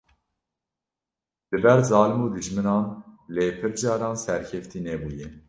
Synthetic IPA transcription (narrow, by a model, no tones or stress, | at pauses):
d̪̥ɨbɛɾzɑːlɨmuːd̪ɨʒmɨnɑːnleːpʰɨɾd͡ʒɑːɾɑːnsɛɾkʰɛft̪iːnɛbuːjɛ